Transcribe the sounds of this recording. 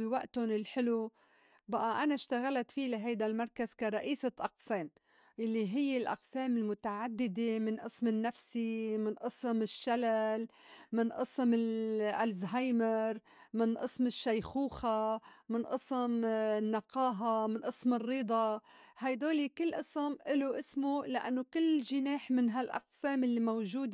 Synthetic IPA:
ɪwaʔt̪ʊnɪlħɪlu | baʔaʔanaʃt̪aɣalat̪filaɦajd̪almɑɾˤkazkaɾˤɑʔiːsaʔɑqseːm | jalːiɦɪjːelʔɑ̰qseːmɪlmʊt̪aʕad̪ːɪd̪emɪnʔɨsmɪnːafsimɪnʔɨsˤmɪʃːalal | mɪnʔɨsmɪlʔalzɦajmɪɾ | mɪnʔɨsmɪʃːajxuːxamɪnʔɨsˤmnːɑqɑːɦamɪnʔɨsmɪrːiːd̪ˤɑhajd̪oːlikɪlːʔɨsˤɪmʔɪloʔɪsmolɪʔa̰nːokɪlːʒɪneːħmɪnɦalʔɑ̰qseːmɪlːimawʒuːd̪

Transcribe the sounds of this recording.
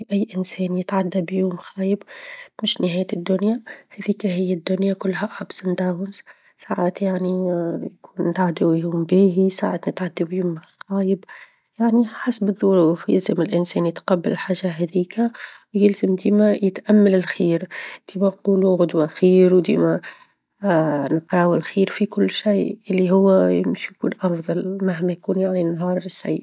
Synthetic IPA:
ʔæjːʔɪnsɛːnjət̪ʕad̪ːabjuːmxæːjəbmɪʃnɪɦæːjt̪ɪd̪ːʊnjahæðiːkæɦɪjːad̪ːʊnjakʊlːɦæʔbsɪnd̪awnz | saʕat̪jaʕnijkuːnːɪt̪ʕad̪awjuːmbiːɦisa̰ʕat̪nɪt̪ʕad̪ːubjuːmxæːjəb | jaʕniħasbɨðˤːʊɾuːfjɪ̰lzamɪlʔɪnsɛːnjɪt̪qɑbːɪllħaːʒaɦɛðiːkawjɪlzəmd̪iːmæjɪt̪ʔamːalɪlxiːɾd̪̥iːmænquːluɣʊd̪waxiːɾwd̪ḭːmæ | nqɾˤɑwɪlxiːɾfikʊlːʃajʔɪlːiɦʊwːæjɪmʃijkṵːnʔɑfðˤɑlmaɦmæjkuːnjaʕninɦɑːɾˤsaj

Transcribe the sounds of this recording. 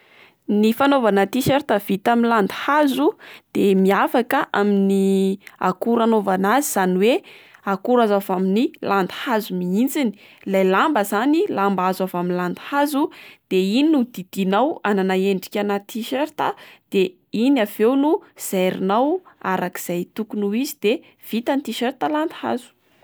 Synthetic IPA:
nifanovanat̪iʃeɾt̪av̥it̪aminland̪i̥hazud̪̥emiafakəʔaminia̰kuɾanovanaziz̥aniweakuɾazavaminiland̪i̥hazumiint͡sini̥ | lajlambəzanilambazavaminland̪hazud̪̥eininud̪id̪̥inawananaeɳɖ͡ʐi̥kʲanat̪iʃeɾt̪əd̪̥e | inav̥ewnuz̥ajɾinawa̰ɾaki̥z̥ajt̪ukunuizid̪̥e | v̥it̪ant̪iʃeɾt̪aland̪ha̰zu̥

